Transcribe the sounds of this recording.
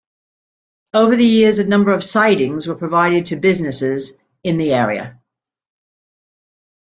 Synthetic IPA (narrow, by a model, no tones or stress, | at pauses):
oʊvəðɨjɪəzɨnʌ̃mbə˞əv̥saɪɾɪ̃ŋzwəpʰɹ̥əvaɪɾɨd̚tʰɨbɪznɪsɪz | ɪ̃nðiɛːɹḭə̰